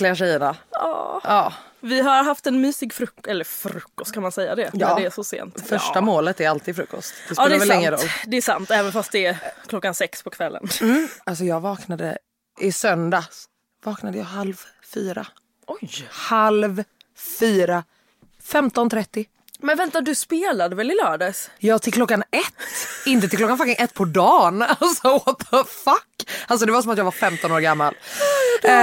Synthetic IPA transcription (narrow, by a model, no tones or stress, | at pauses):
lɪaʂɛjːənaɑ̰ːɑːvɪɦaɾɦaft̪ɛnmyːsɪɡfɾɵkɛlːəɾfɾɵkːɔst̪̚kʰanmansɛjːa̰d̪ɛjɑːd̪ɛæʂɔsḛːnt̪fœʂʈamoːlət̪æɾalt̪iːd̪fɾɵkːɔ̰st̪d̪̥ɛsɑɛvɛlɪŋːəɾɔlːd̪ɛːʂa̰nt̪ɛːvənfast̪̚d̪ɛɛkʰlɔkːansɛkspʰɔkʰvɛlːʔə̰nmm̩ːals̬ɔjɑːɡvɑːknad̪ə̰ | ʔɪsœnd̪a | vɑːknad̪əjɑːhalv | fyːɾa̰ | ɔjhalv | fyːɾa | fɛmt̪ɔnt̪ʰɾɛt̪ːɪ | mɛnvɛnt̪ad̪ɵspeːlad̪əvɛlɪlœːɖəsjɑːt̪ʰɪlkʰlɔkːanɛt̪ːɪnt̪ət̪ɪlklɔkːanfak̪ɪŋʔɛt̪ːpʰɔd̪ɑːnalsɔɔt̪əfakːals̬ɔd̪ɛvaɾs̬ɔmat̪jɑːɡvaɾfɛmt̪ɔnoːɾɡamːal